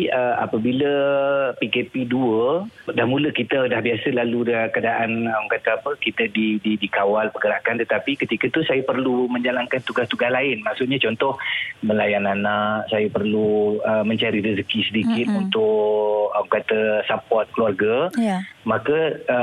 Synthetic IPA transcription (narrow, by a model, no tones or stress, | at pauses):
əa̰pəbiləpikepiduədahmũləkit̪ədahbiasəlaludəkadaʔanmkat̪aapəkit̪adididikawalpəɡəɾakant̪ət̪apikət̪ikət̪usajapərlumə̃ɲd͡ʒalankant̪uɡast̪uɡaslaɪnmaksʊt̪̚ɲat͡ʃɔnt̪ɔhməlajananaʔsajapərluəmə̃ɲt͡ʃaɾiɾizəkisədikɪt̪unt̪ʊʔamkat̪əsapɔrt̪̚kəluarɡa | mãkə